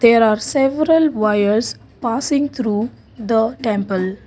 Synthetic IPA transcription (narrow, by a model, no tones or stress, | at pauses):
d̪̥eːɾaːɾsɛʋəɾəlʋaɪəɾs | paːsɪ̃ŋɡt̪ʰɾuː | d̪əʈɛ̃mpəl